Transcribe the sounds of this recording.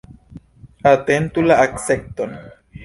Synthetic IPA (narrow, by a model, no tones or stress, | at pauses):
at̪ent̪ulaʔaksek̚t̪on